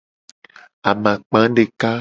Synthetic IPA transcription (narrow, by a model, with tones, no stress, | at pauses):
a˨mã˨k͡pã˨˦ɖe˨ka˦